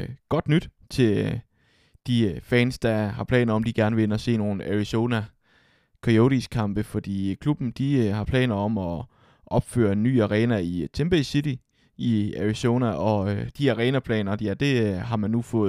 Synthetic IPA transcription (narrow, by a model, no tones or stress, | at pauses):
ɡ̥ɒ̽d̥nyd̥ | t͡sʰe̝l | d̥ifɛːnsd̥ɑ̈hɑ̈pʰlɛ̰ːnɐɒ̽md̥iɡ̥æɐnəʋe̝enɐɒ̽se̝̰ːno̝ːn̩æʁiso̝næ | kʰʁio̝ɾiskʰɑ̈mb̥əfɒ̽d̥ḭːkʰlub̥n̩d̥ihɑ̈pʰlɛ̰ːnɐɒ̽mɒ̽ | ʔɒ̽b̥fø̰ːɐe̝nːy̰ːæʁɛːnæit͡sʰemb̥esid̥i | iæʁiso̝ːnæʔɒ̽d̥iæʁɛːnæpʰlɛ̰ːnɐjæd̥e̝ɦɑ̈mænːufɔ̽ːð̩